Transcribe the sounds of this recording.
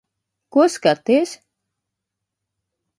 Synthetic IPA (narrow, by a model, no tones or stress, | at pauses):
kuɔskat̪is